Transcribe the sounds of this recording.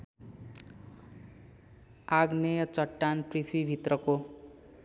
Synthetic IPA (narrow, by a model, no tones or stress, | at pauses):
aɡnejʌt͡sʌʈːanprisʰwibʱit̪rʌko